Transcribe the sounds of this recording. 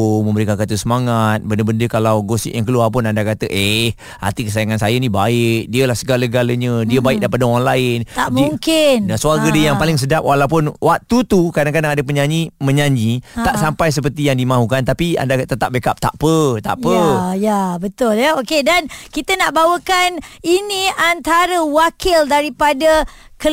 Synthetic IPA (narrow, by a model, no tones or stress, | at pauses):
mə̃mbəɾikankat̪əsəmaŋat̪̚bəndəbəndəkalawɡosɪ̰ʔjaŋk̬əluapʊnandakat̪əʔeh | ha̰rt̪ikəsajaŋansajənibaɪk̚diəlahsəɡaləɡaləɲədiəbaɪk̚daɾipadaoɣanlaɪnt̪amiuŋkɪndasuaɡədiəjaŋpalɪŋs̬ədap̚wʔalawpʊnwat̪ut̪ukadaŋkadaŋadəp̬əɲaɲimə̃ɲaɲit̪aʔsampajs̬əp̬ərt̪ijaŋdimãɦukant̪apia̰ndat̪ət̪ap̚bekap̚t̪a̰ʔpət̪a̰ʔpəjabət̪ʊljəokedankit̪ənaʔbawəkaniniant̪aɾəwakɪldaɾipadəkə